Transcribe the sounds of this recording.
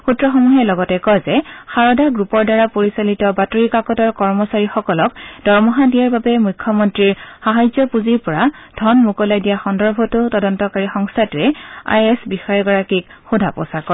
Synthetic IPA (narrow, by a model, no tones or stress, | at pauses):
xutɹɔxɔmuɦɛlɔɡɔtɛkɔjzɛxaɹɔdaɡɹupɔɹdaɹapoɹisalitɔbatoɹikakɔtɔɹkɔɹmɔsaɹixɔkɔlɔkd̥ɔɹmɔɦadijaɹbabɛmujkʰːjɔmɔntɹiɹxaɦajzɔpuziɹpɔɹad̥ʱɔnmukɔlajdijaxɔndɔɹbʱɔtʊtɔdɔntɔkaɹixɔŋstʰatʊɛa̰jɛsbixɔjɔɡɔɹakikxudʱapɔ̰sakɔ